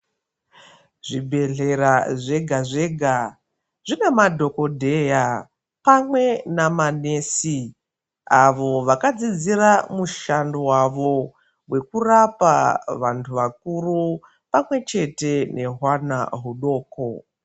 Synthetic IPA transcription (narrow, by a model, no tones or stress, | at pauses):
ʐibʱe̞ɮe̞ɾaʐe̞ɡʱaʐe̞ɡʱa | ʐ̥inemadʱo̞ko̞dʱe̞ja | pamwe̞namane̞ːsi | aʋo̞ʋakad͡zid͡ziramuʃandowaʋo̞ | we̞kurapa̰ʋantʰuʋak̚uru | pamwe̞t͡ʃe̞te̞ne̞ɦwana̰ɦuɗo̞ːko